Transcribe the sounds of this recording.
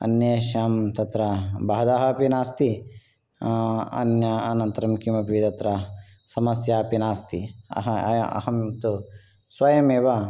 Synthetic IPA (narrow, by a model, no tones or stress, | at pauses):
ɐ̰njeːʃaːmt̪ɐt̪ɾɐbaːɐd̪aːɦɐpinaːst̪i | ɐ̰njɐɐnɐnt̪ɐɾɐmkimɐpit̪ɐt̪ɾɐ | sɐmɐsjaːpinaːst̪iɐ̰ɦɐɐ̰ɦɐmmt̪u | sʋɐjɐmeːʋɐ